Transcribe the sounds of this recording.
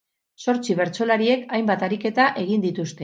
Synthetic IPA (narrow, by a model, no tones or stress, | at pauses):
so̞ɾt͡siβ̞e̞ɾt͡so̞laɾie̞kajmbat̪aɾike̞t̪aʔe̞ɣ̞ind̪it̪ust̪e̞